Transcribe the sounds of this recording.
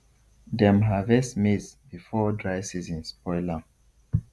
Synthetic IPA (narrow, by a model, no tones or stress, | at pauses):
dɛ̃mɦavɛsmisbifɔdɹaɪsizĩnspɔɪla